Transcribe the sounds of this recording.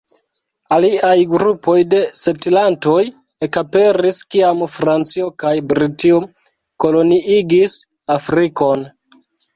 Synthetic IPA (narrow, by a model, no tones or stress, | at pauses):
aliajɡɾupo̞jde̞setilanto̞j | ekape̞ɾiskiamfɾant͡sio̞kajbɾitio̞ | ko̞lo̞niʔiɡis | afɾiko̞n